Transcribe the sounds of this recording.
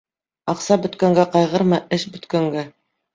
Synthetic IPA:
ɑqsɑbɵ̆t̪kæŋɡæqɑjʁɤɾmɤʔɘʃbɵ̆t̪kæŋɡæ

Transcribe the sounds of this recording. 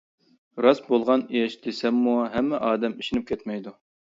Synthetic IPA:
ɾɑsbolˠʁɑnijɛʃd̪̥esɛmːuɦɛmːɪʔɑːd̪ɛmiʃinyp̚kʲʰɛt̪mɛjd̪u

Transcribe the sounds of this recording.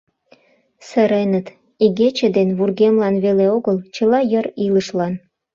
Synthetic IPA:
səɾenət̪ | iɣet͡ɕəd̪enβurɣemlɑnβeleoɣəlt͡ɕəlɑjəriləʃlɑn

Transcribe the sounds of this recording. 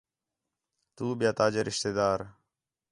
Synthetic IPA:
t̪uːbjaːt̪aːd͡ʒəɾɪʃt̪ed̪aːɾ

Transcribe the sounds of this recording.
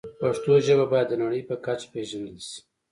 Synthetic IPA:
paʂt̪oʒəβabɑjad̪ːənaɽəjpəkat͡ʃpeʒənəlsi̥

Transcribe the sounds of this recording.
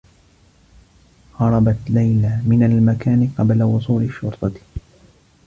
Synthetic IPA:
hɑɾˤɑbɑt̪lajlamɪnalmakaːnɪqɑblawʊsˤuːlɪʃːʊɾt̪ˤɑ

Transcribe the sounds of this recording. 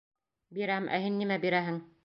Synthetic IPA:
biɾæmʔæ̰hɘnːimæbiɾæɦɘŋ

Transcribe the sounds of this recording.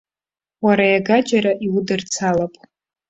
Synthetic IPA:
waɾajaɡad͡ʒaɾaʔiwudɨrt͡sʰalapʼ

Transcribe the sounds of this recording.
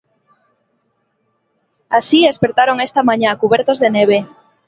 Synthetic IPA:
asiespeɾt̪aɾoŋest̪amãɲakuβɛɾt̪ozðeneβ̞e

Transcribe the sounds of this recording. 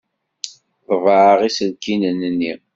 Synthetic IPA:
ðˤəvəʕəʁisəlkinənənːi

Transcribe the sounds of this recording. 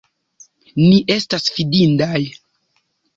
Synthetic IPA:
niʔe̞stasfidindaj

